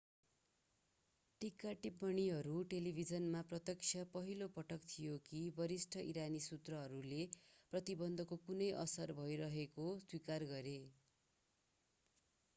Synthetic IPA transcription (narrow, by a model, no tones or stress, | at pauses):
ʈikaʈip̚ːʌniɦʌɾuʈelibʱid͡zʌnmaprʌt̪jʌkt͡ʃʰjʌpʌɦilopʌʈʌkt̪ʰijokibʌɾisʈʰʌʔiɾanisut̪rʌɦʌɾuleprʌt̪ibʌnd̪ʱʌkokunʌjʔʌ̰sʌrbʱʌjɾʌɦekoswikarɡʌɾe